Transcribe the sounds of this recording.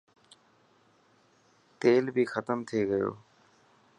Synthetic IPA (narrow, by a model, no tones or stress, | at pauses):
t̪eːlbʱiːxət̪əmt̪ʰeːɡəjo̰ː